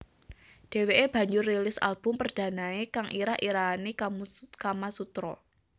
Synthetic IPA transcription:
d̥e̤weʔeb̥ä̤ɲd͡ʒʊrːelɪsa̰lb̥ʊmpərd̥a̤naekaŋʔiɾahʔiɾanikamukamasut̪ɾɔ̰

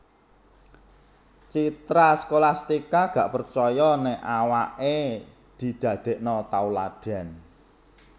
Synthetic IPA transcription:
t͡ʃit̪ɾaskolast̪ikaɡ̥a̤ʔpərt͡ʃɔjɔnɛawaʔe | d̪̥i̤d̪̥ä̤d̪̥e̤ʔnɔt̪aulaɖ̥a̤n

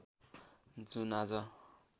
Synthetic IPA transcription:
d͡zunad͡zʌ

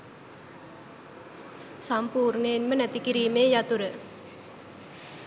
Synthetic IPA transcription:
sampuːɾnəjenmənæt̪ikiɾiːmeːjat̪uɾə

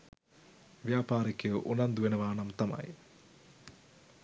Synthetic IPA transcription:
ʋjaːpaːɾikjəʔunɐnd̪uʋenəʋaːnɐmt̪amɐ̰j

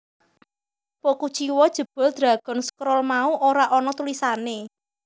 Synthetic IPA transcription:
pokut͡ʃiwɔd̥ʒ̥ə̤b̥ɔ̤ld̪̥ɾa̤ɡ̥ɔ̤nskɾɔlmauʔoɾaʔɔnɔt̪ulisane

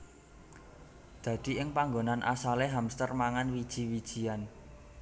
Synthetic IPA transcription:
d̪̥ä̤d̪̥i̤ʔɪŋpaŋɡonanʔa̰saleɦamst̪ərmaŋanwid̥ʒ̥i̤wid̥ʒ̥i̤an

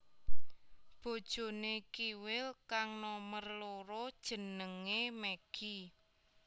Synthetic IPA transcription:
b̥o̤d̥ʒ̥o̤nekiwɪlkaŋnɔmərloɾod̥ʒ̥ə̤nəŋemeɡ̥i

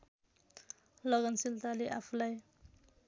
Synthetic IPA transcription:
lʌɡʌnsilt̪aleʔapʰulaj

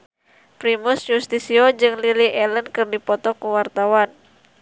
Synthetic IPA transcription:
pɾimusɲust̪isiod͡ʒɨŋliliʔɛlənkɨrdipɔt̪ɔkuwart̪awan

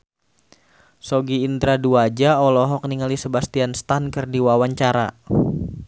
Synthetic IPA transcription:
sɔɡiːnd̪ɾaduad͡ʒaɔlɔɦɔk̚niŋalisəbast̪ianst̪ankɨrdiwawaɲt͡ʃaɾa̰

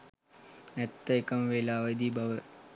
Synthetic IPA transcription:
ɐt̪ːɐkɐmʋeːlaːʋɐd̪iːbʱɐʋɾ

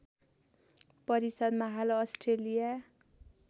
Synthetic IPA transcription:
pʌɾisʌd̪mʌɦaloʌsʈrelija

